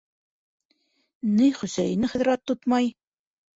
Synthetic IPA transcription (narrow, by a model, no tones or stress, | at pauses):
nɘjχɵ̆sæjɘ̆nɘχɘ̆ðɾɑt̪ːut̪mɑj